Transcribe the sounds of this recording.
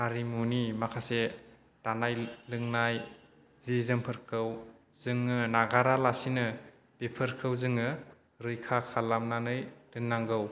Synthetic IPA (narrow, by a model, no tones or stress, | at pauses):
haɾimunimakʰase | tanajlɯŋnaj | zizɯmpʰɯɾkʰɯw | zɯŋːɯnaɡaɾalasinɯ | b̥epʰɯɾkʰɯwzɯŋɯ | ɾɯjkʰakʰalamnanɯjdɯnːaŋɡɯw